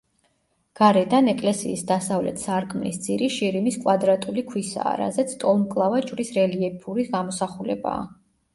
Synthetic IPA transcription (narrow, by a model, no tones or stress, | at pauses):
ɡ̥aɾɛd̪anɛkʼlɛsḭːsd̪asavlɛ̰t̪ʰsaɾkʼmlisd̪z̥ʼiɾiʃiɾimiskʼwad̪ɾat̪ʼulikʰwisa̰ːɾa̰zɛt̪sʰt̪ʼɔlˠmkʼlˠavat͡ʃʼvɾisɾɛliɛpʰuɾiɡamɔsaχulɛba̰ː